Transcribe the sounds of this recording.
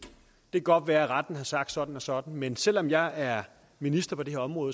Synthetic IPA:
d̥e̝ɡ̥ɒ̽d̥ʋæːɐæʁad̥n̩hɑ̈sɑ̈ɡ̥d̥sɒ̽d̥n̩ɒ̽sɒ̽d̥n̩mensel̰ɒ̽mjɑ̈ɪæɐ | minisd̥ɐpʰɒ̽d̥e̝he̝ɐɒ̽mʁɔ̽ːð̩ˠ

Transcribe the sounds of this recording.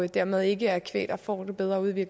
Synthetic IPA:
d̥æɐmeð̞ˠe̝ɡ̥əæɐkʰʋḛːd̥ɐfɒ̰ːd̥ub̥eð̞ˠʁɐuð̞ˠʋiɐɡ

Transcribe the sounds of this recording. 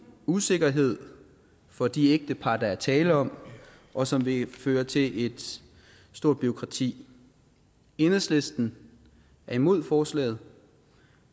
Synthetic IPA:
use̝ɡ̥ɐɦe̝ð̞̰ˠ | fɒ̽d̥ieɡ̥̚d̥əpʰɑ̈d̥ɑ̈æɐt͡sʰɛːləɒ̽m̰ | ʔɒ̽sɒ̽mʋe̝føːɐt͡sʰe̝ʔe̝d̥ | sd̥o̝ɐ̰d̥̚b̥yo̝kʰʁɑ̈t͡sʰḭː | e̝nəsle̝sd̥n̩ | æɐimo̝ð̞̰ˠfɒːslɛ̰ːð̩ˠ

